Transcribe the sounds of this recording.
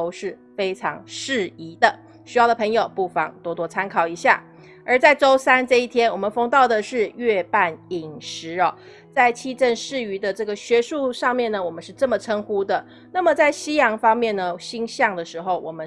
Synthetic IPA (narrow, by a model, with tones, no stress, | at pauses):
o˥ʊʂɻ̩˥˩ | fe˥ɪʈ͡ʂʰɑ̰˧˥ŋʂɻ̩˥˩i˧˥d̪ə˨ | ɕy˧˥jɑ˥˩ʊdə˩pʰɤ˧˥ŋjo˨˩ʊpu˥˩fɑ̰˨˩ŋt̪wɔ˥t̪wɔ˥t͡sʰa˥nkʰɑ˨˩ʊi˧˥ɕja̰˥˩ | ə˞˧˥t͡sa˥˩ɪʈ͡ʂo˥ʊsa˥nʈ͡ʂɤ˥˧i˥˩t̪ʰjɛ˥nwɔ˨˩mə˦nfɤ˧˥ŋt̪ɑ˥˩ʊd̪ə˩ʂɻ̩˥˧ɥɛ˥˧pa˥˩ni˨˩ŋʂɻ̩˧˥ɐ˨ | t͡sa˥˧ɪt͡ɕʰi˥˧ʈ͡ʂə˥˧nʂɻ̩˥˩y˧˥d̪ə˧ʈ͡ʂɤ˥˩ɡə˩ɕɥɛ˧˥ʂu˥˧ʂɑ˥˧ŋmjɛ˥˩nə˩wɔ˨˩mə˦nʂɻ̩˥˧ʈ͡ʂə˥˩mə˩ʈ͡ʂʰə˥ŋxu˥d̪ə˨ | na˥˩mə˨˩t͡sa˥˩ɪɕi˥jɑ˧˥ŋfɑ˥ŋmjɛ˥˩nnə˩ɕi˥ŋɕjɑ˥˩ŋd̪ə˩ʂɻ̩˧˥xo˥˧ʊwɔ̰˨˩mə˦